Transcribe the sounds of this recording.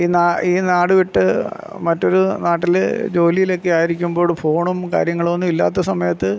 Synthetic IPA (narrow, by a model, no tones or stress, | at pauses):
inaːiːnaːɽɨʋiʈːɨ | mɐtːo̞ɾunaːʈːild͡ʑo̞ːlijilo̞kːeaːjiɾikʲːumbo̞ːɭfo̞ːɳumka̰ːɾjɐŋːɐɭonːumilːa̰ːt̪̬ːɐsɐmɐjɐt̪ːɨ